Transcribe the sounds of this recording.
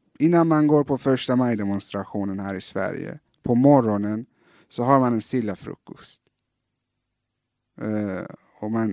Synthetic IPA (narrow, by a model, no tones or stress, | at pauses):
ʔɪnːanmanɡoːɾpʰɔfœʂʈamajd̪ɛmʊnst̪ɾaɧuːnənhæːɾɪsvæ̰ɾjə̰ | pʰɔmɔɾɔnən | sɔɦaɾmanɛnst̪ɪlːafɾɵ̰kːʊ̰st̪ | ɔman